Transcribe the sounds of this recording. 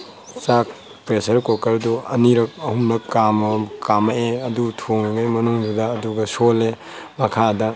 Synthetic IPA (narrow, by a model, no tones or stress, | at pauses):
sak̚ | pɾesɐɾkokɐɾduɐ̰niɾɐk̚ɐhumnɐkamɐkʰamɐeɐdutʰoŋiɡajmɐnuŋd͡ʒudɐːduɡɐsole | mɐkʰadɐ